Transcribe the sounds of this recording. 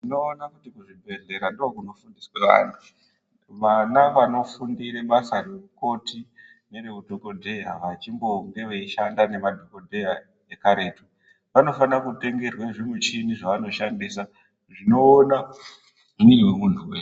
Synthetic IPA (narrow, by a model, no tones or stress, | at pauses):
ino̞ːnakutikuʐibʱe̞ɮe̞ɾandokuno̞fundisweʋa̰ːntʰu̥ | ʋanaʋano̞fundiɾeɓasare̞rukoti | ne̞rekudʱo̞kodʱe̞jaʋat͡ʃimbo̞ŋɡe̞ʋeiʃandane̞madʱo̞ko̞dʱeja | ekaɾe̞tu | ʋano̞fanakute̞ŋɡe̞rwaʐimwet͡ʃiniʐaʋano̞ʃandiːsa | ʐino̞ːna | uniweuntʰuwe